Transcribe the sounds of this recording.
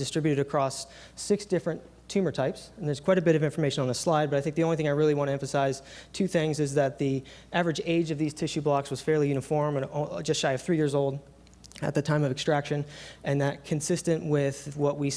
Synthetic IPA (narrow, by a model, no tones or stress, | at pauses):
d̥ɨstɹ̥ɪbjʉɾɨɾɨkʰɹ̥ɔs | ɪksd̥ɪfɹɨ̃n | tʰʉ̃mə˞tʰaɪpsn̩ðə˞z̥kʰw̥aɪɾɨbɪɾʌvɪ̃ɱfə˞meɪʃɨ̃nə̃n̩ðəslaɪd̚bʌɾaɪθɪ̃k̚ðiõʊnliθɪ̃ŋaɪɹɪlˠiwɑ̃ñtɨɛ̃ɱfəsaɪz̥tʰʉθɪ̃ŋzɨzðɨt̪̚ðiʔævɹɨd͡ʒeɪd͡ʒʌvðiz̥tʰɪʃʉblɑkswʌz̥fɛɹlˠijʉñɨfɔɹmɨ̃nd͡ʒʌstʃaɪʌv̥θɹijɪɹzoʊlˠd | ɨ̰t̪̚ðɨtʰãɪ̃mʌvɨkstɹ̥ækʃɨ̃nʔɨ̃nðɨt̚kʰɨ̃nsɪstɨ̃nʔwɪð̥wʌʔ̚wi